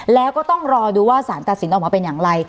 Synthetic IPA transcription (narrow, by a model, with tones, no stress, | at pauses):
lɛː˦˥wkɔː˥˩t̪ɔ˥˩ŋɾɔː˧duː˧waː˥˩saː˩˦nt̪a˨˩t̪̚si˩˦nʔɔ˨˩maː˧pe˧njaː˨˩ŋɾa˧j